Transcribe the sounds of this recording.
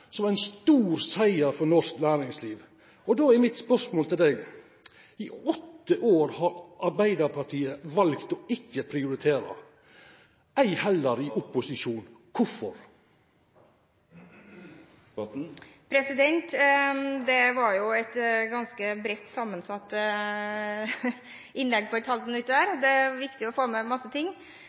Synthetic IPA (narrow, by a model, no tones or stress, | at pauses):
sɔmæɪnst̪uːɾsæɪəɾfɔnɔʂknæːɾɪŋsliːʋ | ɔd̪oːæɾmɪt̪spœsmoːlt̪ʰɪld̪ɛːɡ | ɪɔt̪ːəʔoːɾhɑɾʔɑɾbæɪd̪əɾpʰɑʈ̪ʰiːəʋɑlkt̪ɔɪçːəpʰɾɪʊɾɪt̪ʰeːɾɑ̰ | ʔæɪhɛlːəɾɪʔʊpʊsɪʂuːnkʰʊfɔɾ | pʰɾɛsɪd̪ɛnt̪ | d̪ɛʋɑɾjʊɛt̪ɡɑnskəbɾɛt̪ːsɑmːənsɑt̪ː | ʔɪnlɛɡːpʰɔɛt̪hɑlt̪ɔnʉt̪ːəd̪æːɾd̪ɛʋɪkt̪ɪɔfoːmɛmɑsːət̪ʰɪŋː